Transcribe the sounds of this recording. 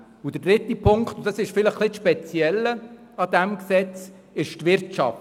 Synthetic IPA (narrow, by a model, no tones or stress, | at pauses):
ʊd̪ədɾɪt̪ipʰʊŋkχt̪ʊd̥̪ɑsɪʃfɪləχːlɪʃpɛt͡sjɛlːə | ɑd̪æmksɛt͡s | ɪʃtvɪɾtt͡ʃɑ̰f